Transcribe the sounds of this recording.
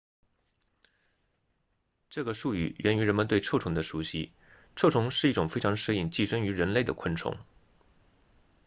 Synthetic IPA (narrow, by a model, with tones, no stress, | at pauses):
ʈ͡ʂɤ˥˩ɡə˩ʂu˥˩y̰˨˩ɥʔɛ˧˥ny˧˥ɻə˧˥nmə˧nt̪we˥˧ɪʈ͡ʂʰɤ˥˩ʈ͡ʂʰʊ˧˥ŋd̪ə˧ʂu˧˥ɕḭ˥ | ʈ͡ʂʰɤ˥˩ʈ͡ʂʰʊ˧˥ŋʂɻ̩˥˩i˥˩ʈ͡ʂʊ˨˩ŋfe˥ɪʈ͡ʂʰɑ˧˥ŋʂɻ̩˥i˥˩ŋt͡ɕi˥˩ʂɤ˥ŋy˧˥ɻə˧˥nle˥˩ɪd̪ə̰˩kʰwə˥˩nʈ͡ʂʰʊ̰˧˥ŋ